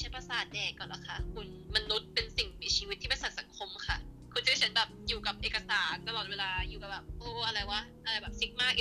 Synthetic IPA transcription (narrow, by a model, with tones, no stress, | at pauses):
t͡ɕʰa˦˥npa˧saː˨˩t̪̚dɛː˨˩kːɔː˨˩nla̰˨˩kʰa˦˥kʰu˧n | ma˧nːu˦˥t̪̚pe˧nsi˨˩ŋmiː˧t͡ɕʰiː˧wi˦t̪ʰːiː˥pa˧saː˨˩t̪̚sa˨˩˦ŋkʰo˧mkʰa˥˩kʰu˧nt͡ɕʰːt͡ɕʰa˦nbɛː˨˩p̚juː˨˩ka˨˩p̚ʔeː˨˩ka˧saː˩˦nt̪a˧lɔː˨˩t̪̚weː˧laː˧juː˨˩ka˨˩bɛː˨˩p̚ʔɤː˧˩ʔa˧ɾa˧jwa˦˧˥ʔa˧ɾa˧jbɛː˨˩p̚si˦˥k̚maː˥˩k̚ʔ